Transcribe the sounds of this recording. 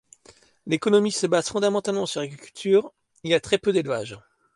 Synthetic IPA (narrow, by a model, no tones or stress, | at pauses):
lekɔnɔmisəbaz̥fɔ̃d̪amɑ̃t̪almɑ̃syʁleɡʁikʲylt̪ʰyːʁ | ilijat̪χɛpød̪elva̰ʒ